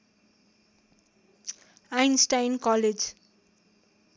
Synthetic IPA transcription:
ajnsʈajnkʌled͡z

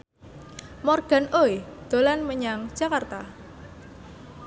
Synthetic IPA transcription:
mɔrɡ̥a̤noed̪̥o̤lanməɲaŋd̥d͡ʒ̥a̤kart̪a

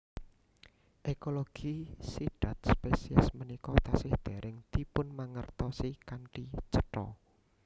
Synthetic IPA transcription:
ʔekoloɡ̥isiɖ̥a̤t̪̚spesia̰smənikɔt̪asɪhd̪̥e̤ɾʔɪŋt̪ipʊnmaŋərt̪ɔsikaɳʈit͡ʃəʈɔ̰

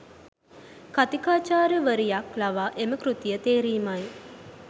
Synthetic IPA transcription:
kat̪ikaːt͡ʃaːɾəʋəɾijaklaʋaːʔeməkrut̪ijət̪eːɾiːmaj

